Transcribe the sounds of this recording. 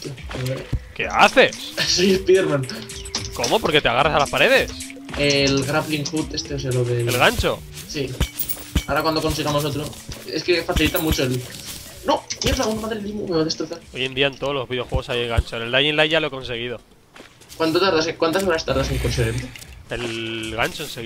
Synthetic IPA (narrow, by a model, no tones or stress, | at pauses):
ot̪jaoke̞̰a̰θe̞ssipiðeɾmãn | ko̞mo̞po̞ɾket̪eaɣ̞arasalaspaɾe̞ðe̞s | elɣɾafliŋxut̪e̞st̪eos̬ealoðeelɣaɲt͡ʃo̞̰ | si | aɾakwand̪o̞konsiɣamos̬ot̪ɾoeskefaθilit̪amut͡ʃoel | no̞melaɣund̪omaðɾilimomeaðest̪ɾoθaɾo̞je̞nd̪iant̪oðlo̞zβiðeo̞xwe̞ɣosajeŋɣant͡ʃoneld̪ajinlajʝaloeko̞nse̞ɣ̞ið̞o̞ | kwant̪ot̪aɾðasekwant̪aso̞ɾast̪aɾðaseŋkonseent̪eelɣaɲt͡ʃoenseɣ